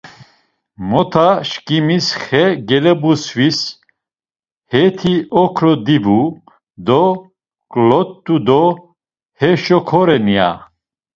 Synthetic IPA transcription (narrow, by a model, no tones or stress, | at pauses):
mɔt̪ʰaʃkʼimisχɛɡɛlɛbuswis | hɛt̪ʰiʔɔkʰɾɔd̪ibu | d̪ɔ | kʼlɔt̪ʼːud̪ɔ | hɛʃɔkʰɔɾɛnia̰